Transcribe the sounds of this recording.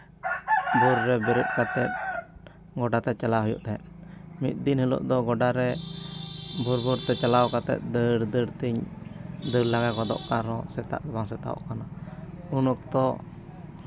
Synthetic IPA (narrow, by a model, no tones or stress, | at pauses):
buɾːɛbɛɾəʔ̪̚kat̪ɛt̪̚ | ɡɔɖat̪ɛt͡ʃalaɦujṵʔt̪ʰɛt̪̚mḭt̪̚ˀd̪inhilṵʔd̪ɔɡɔɖaɾɛ | buɾbuɾt̪ɛt͡ʃalawkat̪ɛ̰t̪̚d̪əɽd̪əɾt̪iɲ | d̪əɾlaɡakɔd̪ɔ̰ʔkaɾɔsɛt̪a̰ʔd̪ɛbaŋsɛt̪a̰ɔ̰ʔkanaunuk̚t̪ɔ